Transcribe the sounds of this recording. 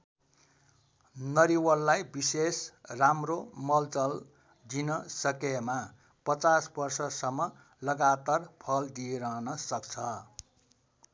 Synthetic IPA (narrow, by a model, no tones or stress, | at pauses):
nʌɾiwʌlːajbisesramromʌlt͡sʌl | d͡zinʌsʌkema | pʌt͡sasbʌrsʌsʌmːʌ | lʌɡat̪arpʰʌld̪ijeɾʌɦnʌsʌkt͡sʰʌ